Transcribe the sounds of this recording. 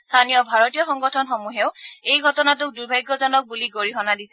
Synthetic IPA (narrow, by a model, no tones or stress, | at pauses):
stʰanijɔbʱaɹɔtijɔxɔŋɡɔtʰɔnxomuɦeʊejɡʱɔtɔnat̬ʊk̚duɹbʱajɡːɔzɔnɔk̚buliɡoɹiɦɔnadisɛ